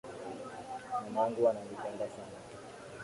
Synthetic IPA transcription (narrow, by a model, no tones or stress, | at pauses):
wanaŋɡuwananipɛndasana